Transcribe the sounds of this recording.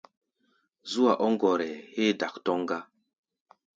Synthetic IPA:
zu˦a˨ʔɔ˦ŋ˦ɡɔ˨ɾɛ˨he˦da˨ktɔ˦ŋ˦ɡa˦

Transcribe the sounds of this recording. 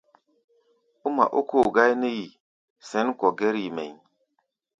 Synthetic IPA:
u˦ma̰˨ʔu˦kʰo˦˨ɡa˦jne˦ji˨ | se˦nko˨ɡe˦ɾi˨mḛ˨ɲ

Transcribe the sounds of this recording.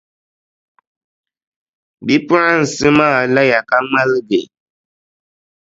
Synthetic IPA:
bi˦pʊ˦ɾa˦n̩˨sɨ˦maː˦˨la˦ja˨ka˦ŋ͡ma˦lɡe˨

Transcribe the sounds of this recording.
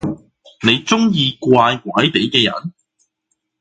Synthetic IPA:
ne˨˧jt͡sʊ˥ŋjiː˧kʷaː˧jkwaː˨˥jt̪e˨˥jkɛː˧jɐ̰˨˩n

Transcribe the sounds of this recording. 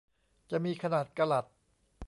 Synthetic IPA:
t͡ɕa˨˩miː˧kʰa˧naː˨˩t̪̚ka˧la˨˩t̪̚

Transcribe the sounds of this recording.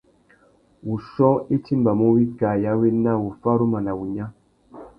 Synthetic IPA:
wu˨ʃɔ˦i˦ti˦mba˨mu˦wi˦ɡa˨ja˨˦we˦na˦wu˨fa˦ɾu˦ma˨na˨wu˨ɲa˦

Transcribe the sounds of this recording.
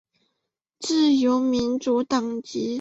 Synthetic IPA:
t͡sɹ̩˥˩jo˧˥ʊmi˧˥nʈ͡ʂu˧˥t̪ɑ˨˩ŋt͡ɕi˧˥

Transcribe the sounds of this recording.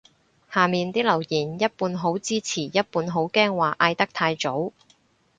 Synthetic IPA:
haː˨miː˨nt̪iː˥lɐ˨˩wjiː˨˩njɐ˥t̚puː˧nɦo˨˥wt͡siː˥t͡sʰiː˨˩jɐ˥t̚puː˧nɦo˨˥wkɛː˥ŋwaː˨˩ʔaː˧jt̪ɐ˥k̚t̪ʰaː˧jt͡so˨˥w

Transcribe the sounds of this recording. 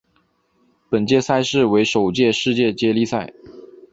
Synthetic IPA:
pə˨˩nt͡ɕjɛ˥˧sa˥˧ɪʂɻ̩˥˩we˧˥ɪʂo˨˩ʊt͡ɕjɛ˥˧ʂɻ̩˥˧t͡ɕjɛ˥˩t͡ɕjɛ˥li˥˧sa˥˩ɪ

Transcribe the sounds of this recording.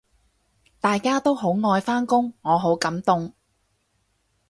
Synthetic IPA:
t̪aː˨jkaː˥t̪o˥wɦo˨˥wŋɔː˧jfaː˥nkʊ˥ŋːɔː˨˧ɦo˨˥wkɐ˨˥mt̪ʊ˧ŋ

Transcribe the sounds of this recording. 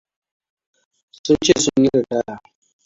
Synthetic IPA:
sʊ˦nt͡ʃe˦˨sʊ˦ɲji˦ka˨ta˦a˨

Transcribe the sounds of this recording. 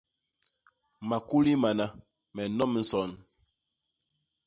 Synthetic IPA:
ma˨ku˦li˦ma˨na˨ | mɛ˨nɔ˦m˨˦n̩˦sɔ˨n

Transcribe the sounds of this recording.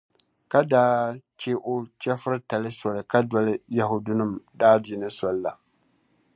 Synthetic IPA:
ka˦daː˦t͡ʃɛ˦ʔo˦t͡ʃɛ˦fɨ˦ɾɨ˦ta˨lɨ˦sɔ˨lɨ˨ka˦dɔ˨lɨ˦ja˨ɦʊ˨dʊ˦nɨ˦mdaː˦di˨nɨ˦sɔ˨lla˨

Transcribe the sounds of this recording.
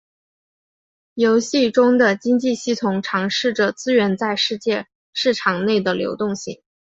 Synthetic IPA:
jo˧˥ʊɕi˥˩ʈ͡ʂʊ˥ŋd̪ə˨t͡ɕi˥ŋt͡ɕi˥˧ɕi˥˩t̪ʰʊ˨˧˥ŋʈ͡ʂʰɑ˧˥ŋʂɻ̩˥˩ʈ͡ʂə˩t͡sɹ̩˥ɥɛ˧˥nt͡sa˥˧ɪʂɻ̩˥˧t͡ɕjɛ˥˧ | ʂɻ̩˥˩ʈ͡ʂʰɑ˨˩ŋne˥˩ɪd̪ə˩ljo̰˧˥ʊt̪ʊ˥˧ŋɕḭ˥˩ŋ

